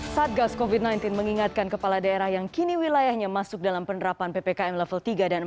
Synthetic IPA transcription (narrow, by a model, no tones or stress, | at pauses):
sat̪̚ɡaskovid̚najnt̪inməŋiŋat̪̚kankəpaladaeɾahjaŋkiniwilajahɲamasʊk̚dalampənəɾapanpepekaɛmlɛfəlt̪iɡadan